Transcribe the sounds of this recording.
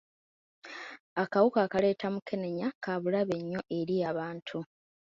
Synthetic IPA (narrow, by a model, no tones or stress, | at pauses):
akawukaːkale̞ːtamukʰe̞ne̞ɲakaβulaβe̞ɲːo̞ʔe̞ɾijaːβaːntʰu